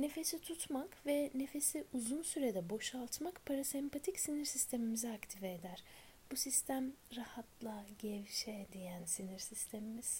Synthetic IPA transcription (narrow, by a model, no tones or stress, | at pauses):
ne̞fe̞sit̪ʰut̪makvɛne̞fe̞siʔuzunsyɾed̪ɛbo̞ʃalˠt̪makpʰaɾasɛmpʰat̪ʰicsiniɾsist̪ʰe̞mimizɛakt̪ʰivɛːd̪æɾ̥ | busist̪ʰæmɾahat̪ʰlˠaɟɛvʃɛd̪ijænsiniɾsist̪ʰe̞mimiz̥